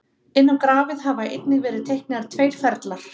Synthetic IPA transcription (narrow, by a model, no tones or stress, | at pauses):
ɪnːawkɾaːvɪðɦavaḛjt̪nɪɣvɛːɾɪðt̪ʰejhknɪɣaɾ̥t̪ʰveːjɾ̥fɛɾt̪laɾ̥